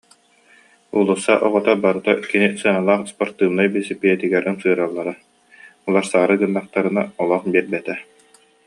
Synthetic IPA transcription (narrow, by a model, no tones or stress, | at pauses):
ulˠusːaʔɔʁɔt̪abaɾɯt̪akinisɯnalˠaːχspɔɾt̪ɯːnajbisipiɛt̪iɡɛɾʔɯnsɯːɾalˠːaɾa | ɔlˠaɾsaɾɯɡɯnːaχ̚t̪aɾɯnaɔlˠɔχbiɛɾbɛt̪ɛ